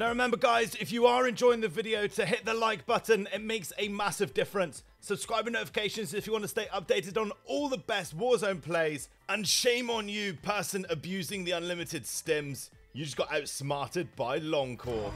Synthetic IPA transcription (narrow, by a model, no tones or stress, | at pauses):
naʊɹɪmɛ̃mbəɡaɪzɪfjəəɹɛ̃nd͡ʒɔɪɪ̃ŋðəvɪɾioʊtʰəɦɪʔ̪̚ðəlaɪk̚b̥ʌʔn̩ɪt̚meɪksəmasɪvdɪfəɹə̃nsːəb̥skɹaɪbɪ̃ŋnəʊtɪfɪ̥kʰeɪʃə̃nzɪfjəwɑ̃ntəsteɪʔʌp̚d̥eɪtɪdn̩ɔːlˠðəbɛst̚wɔːzə̃ʊ̃npʰl̥eɪz̥ | ə̃nʃẽɪ̃mə̃njɨpʰɜˑsə̃nəbjʉːzɪ̃ŋðiʌ̃nlɪmɪtɪd̥stɛ̃mz̥ | jɨd͡ʒʌsɡ̥ɒtaʊtsmɑˑtɪd̚baɪlɒ̃ŋkʰɔː